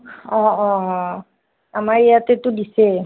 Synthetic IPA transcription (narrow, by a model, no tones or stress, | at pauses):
ɔ̃ɔ | amaɹejatɛtʊdisɛ